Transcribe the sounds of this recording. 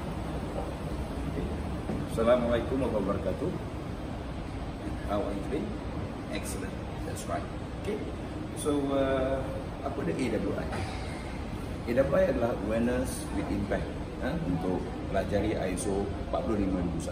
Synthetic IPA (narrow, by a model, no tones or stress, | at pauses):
okesalamalajkʊmakawbəɾkat̪u | hawa̰jt̪ude | ʔɛksələ̰̃n | dɛ̰tsɹa̰jt̚ | oke | soə | apədəʔedabluʔa̰j | edabluajadalahəwɛnəs | wit̪impɛk̚t̪ | aunt̪ʊk̚ | pəlad͡ʒaɾiʔa̰jso | pa̰ʔ̚pulohlimãdibusa